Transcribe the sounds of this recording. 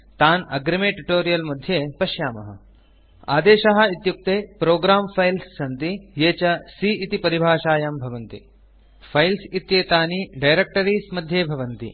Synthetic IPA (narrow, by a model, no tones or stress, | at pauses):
t̪aːnɐɡɾɐmeːʈuʈoːɾijɐlmɐd̪ʱjeːpɐʃjaːmɐ̰ɦɐ̰ | a̰ːd̪eːʃɐɦɐ̆it̪juk̚t̪eːpɾoːɡɾaːmpʰɐjlsːɐnt̪ijeːt͡ʃɐsiːit̪ipɐɾibʱaːʃaːjambʱɐʋɐnt̪ḭ | fʰɐjlsit̪jeːt̪aːniɖɐjɾek̚ʈɐɾiːsmɐd̪ʱjeːbʱɐʋɐnt̪ḭ